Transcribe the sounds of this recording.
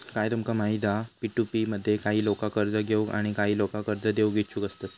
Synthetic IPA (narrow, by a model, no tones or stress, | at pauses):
kajt̪umkamaɦid̪apiʈupiməd̪ʱːjekaɦiːlokakəɾd͡zəɡʱeua̰ɽ̃ikaɦiːlokakəɾd͡zəd̪euɡʱet̪t͡ɕʰuːkəst̪at̪